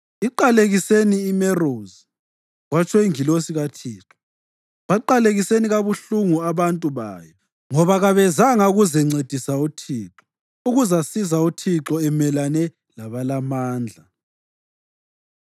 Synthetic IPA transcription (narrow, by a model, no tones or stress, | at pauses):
iǃaleɣiseniːmɛroːzi | ɣwat͡ʃʰʼɔiŋilosiɣatʰiːǁɔ̥ | βaǃaleɣiseniɣaβuɬuŋuaβantʼuβa̰ːjɔ | ŋɔβaɣaβɛzaŋauɣuzɛŋ͡ǀed̥ʱisautʰiːǁɔ̥ | uɣuzasizautʰiǁɔɛmɛlanɛ | laβalamaːnd͡ɮʱa